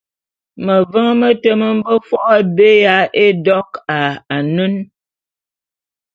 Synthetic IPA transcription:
mə˨və˦ŋ˦mə˦tə˦mə˦m̩˦bə˦fɔ˦ʔa˦be˦ja˨˦e˦dɔ˦ka˨a˨nə˦n

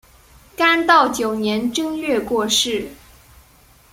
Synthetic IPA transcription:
ka˥nt̪ɑ˥˩ʊt͡ɕjo˨˩ʊnjɛ˧˥nʈ͡ʂɤ˥ŋlɛ˥˧kwɔ˥˧ʂɻ̩˥˩

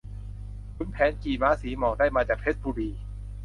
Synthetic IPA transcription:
kʰu˧˥npʰɛː˨˦˥nkiː˨˩maː˨˥siː˩˦mɔː˨˩k̚daː˥˩jmaː˧t͡ɕaː˨˩k̚pʰe˦˥t̪̚buː˧ɾiː˧

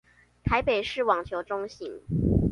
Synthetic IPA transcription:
t̪ʰa˧˥ɪpe˨˩ɪʂɻ̩˥˩wɑ˨˩ŋt͡ɕʰjo˧˥ʊʈ͡ʂʊ˥ŋɕi˧˨˦ŋ

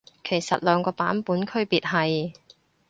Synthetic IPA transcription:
kʰe˨˩jsɐ˨t̚lœː˨˧ŋkɔː˧paː˨˥npuː˨˥nkʰɵ˥ɥpiː˨t̚ɦɐ˨j

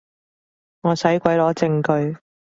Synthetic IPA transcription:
ŋɔː˨˧sɐ˨˥jkʷɐ˨˥jlɔː˨˥t͡sɪ˧ŋkɵ˧ɥ

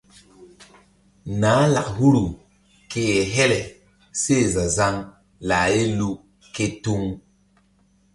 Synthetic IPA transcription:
naː˨˦la˨khu˦ɾu˨ | ke˦jɛ˨ɦɛ˦lɛ˨ | se˦˨za˨za˦ŋ | la˨je˦lu˦ | ke˦tu˦ŋ

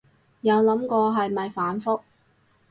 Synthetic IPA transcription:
jɐ˨˧wlɐ˨˥mkɔː˧ɦɐ˨jmɐ˨jfaː˨˥nfʊ˥k̚

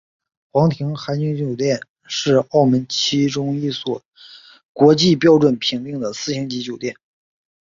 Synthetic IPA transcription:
xwɑ˧˥ŋt̪ʰi˧˥ŋxa˧˥ɪt͡ɕy˧˥ŋt͡ɕjo˨˩ʊt̪jɛ˥˧n | ʂɻ̩˥˧ɑ˥˩ʊmə˧˥nt͡ɕʰi˥ʈ͡ʂʊ˥ŋi˥˩swɔ˨˩ | kwɔ˧˥t͡ɕi˥˧pjɑ˥ʊʈ͡ʂwə˨˩npʰi˧˥ŋt̪i˥˩ŋd̪ə˩sɹ̩˥˧ɕi˧˥ŋt͡ɕi˧˥t͡ɕjo˨˩ʊt̪jɛ˥˩n

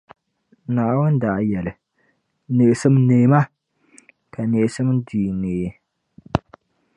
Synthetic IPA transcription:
naː˨ʔwʊ˦n˦da˨ʔjɛ˨lɨ˨ | ne˨sɨ˦mneː˨˦ma˦ | ka˨neː˨sɨ˦m˦diː˨neː˨

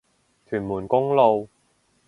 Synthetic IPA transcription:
t̪ʰyː˨˩nmuː˨˩nkʊ˥ŋlo˨˧w

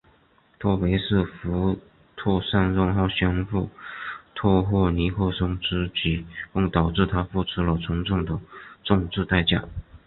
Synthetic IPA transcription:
t̪ʰwɔ˥˩pe˧˥ɪʂɻ̩˥˩fu˧˥ | t̪ʰwɔ˥˧ʂa˥˧nɻʊ˥˧ŋxɑ˥˩ʊɕjɑ˥nfu˥˩t̪ʰɔ˥˧xwɔ˥˩ni˧˥xo˥˩ʂʊ˥ŋʈ͡ʂɻ̩˥t͡ɕi˧˥kʊ˥˩ŋt̪ɑ˨˩ʊʈ͡ʂɻ̩˥˩t̪ʰa˥fu˥˩ʈ͡ʂʰu˥lə˨t͡sʰʊ˧˥ŋʈ͡ʂʊ˥˩ŋd̪ə˩ʈ͡ʂʊ˥˧ŋʈ͡ʂɻ̩˥˧t̪a˥˧ɪt͡ɕja̰˥˩

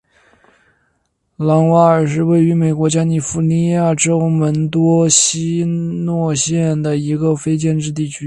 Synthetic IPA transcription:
lɑ˧˥ŋwa˧˥ə˞˨˩ʂ̬ɻ̩˥˧we˥˩ɪy˧˥me˨˩ɪkwɔ˧˥t͡ɕja˥ni˨˩fu˧˥ni˧˥ja˥˩ʈ͡ʂo˥ʊmə˧˥nt̪wɔ˥ɕi˥nwɔ˥˧ɕjɛ˥˩nd̪ə˩i˧˥ɡə˧fe˥ɪt͡ɕjɛ˥˧nʈ͡ʂɻ̩˥˧t̪̬i˥˩t͡ɕʰy˥

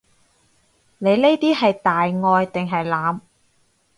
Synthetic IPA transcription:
ne˨˧jle˥jt̪iː˥ɦɐ˨jt̪aː˨jŋɔː˧jt̪ɪ˨ŋɦɐ˨jlaː˨˧m

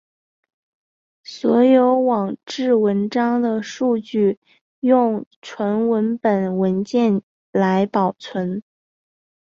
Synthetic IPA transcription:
swɔ˧˥jo˧˥ʊwɑ˨˩ŋʈ͡ʂɻ̩˥˩wə˧˥nʈ͡ʂɑ˥ŋd̪ə˨ʂu˥˧t͡ɕy˥˩ | jʊ˥˩ŋʈ͡ʂʰwə˧˥nwə˧˥npə˨˩nwə˧˥nt͡ɕjɛ˥˩n | la˧˥ɪpɑ˨˩ʊt͡sʰwə˧˥n

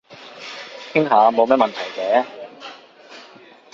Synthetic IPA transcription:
k̪ʰɪ˥ŋɦaː˨˧˥mo˨˧wmɛː˥mɐ˨nt̪ʰɐ˨˩jt͡sɛː˨˥

